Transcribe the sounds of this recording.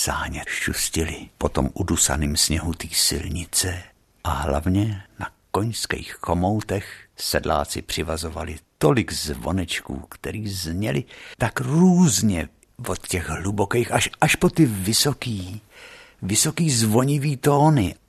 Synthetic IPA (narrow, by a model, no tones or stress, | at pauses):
saːɲɛʃuscɪlɪpo̞t̪o̞̰mʔudusa̰niːmsɲɛɦut̪iːsɪ̰lɲɪt͡sɛ | ʔaɦla̰vɲɛnako̞ɲskɛ̰jxːo̞mo̞wt̪ɛxsɛdla̰ːt͡sɪpr̝̥ɪvazo̞va̰lɪt̪o̞lɪɡzvo̞̰nɛt͡ʃkṵːkt̪ɛɾiːzɲɛlɪt̪akruːzɲɛ | vot̪cɛɣɦlubo̞kɛjxaʃʔaʃpo̞t̪ɪvɪso̞kiː | vɪso̞kiːzvo̞ɲɪviːt̪o̞ːnɪ